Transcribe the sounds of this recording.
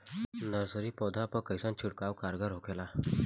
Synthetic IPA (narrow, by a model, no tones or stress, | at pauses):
nəɾsəɾiːpɔd̪ʱapəkəjsãnt͡ɕʰuɽkawkaɾɡaɾɦokʰela